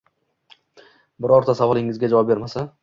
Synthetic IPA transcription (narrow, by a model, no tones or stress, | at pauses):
bɪɾɒɾt̪ʰasavɒlˠɪŋɪzɡʲad͡ʒavɒp̚be̞ɾmasa